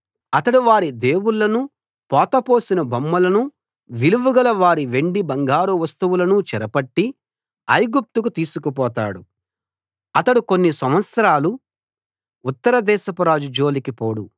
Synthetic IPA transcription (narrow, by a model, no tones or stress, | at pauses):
ɐt̪ɐɽuʋaːɾid̪e̞ːwuɭːɐnu | pɔːt̪ɐpo̞ːsinɐbɐmːɐlɐnu | ʋiluʋuɡɐlɐʋaːɾiʋe̞ɳɖibɐŋɡaːɾuʋɐst̪uʋulɐnut͡ʃɛɾɐpɐʈːi | ɐjɡup̚t̪ukut̪iːsukupɔːt̪a̰ːɽu | ɐt̪ɐɽuko̞nːisɐmʋɐt̪sɐɾaːlu | t̪ːɐɾɐd̪ɛːʃɐpɐɾaːd͡ʒud͡ʒo̞ːlikipoːɽu